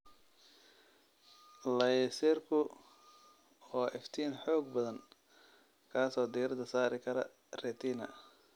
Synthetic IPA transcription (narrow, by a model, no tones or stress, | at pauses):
lɐjɛsɛːrkʰʊ | ɔːʔɛft̪ʰiːnħɔːɡ̚bɐðɐŋ | kʰaːsɔːd̪iːrd̪ɐsaːɾɪkʰɐɾɐ̰ | rɛːt̪ʰiːnɐ̰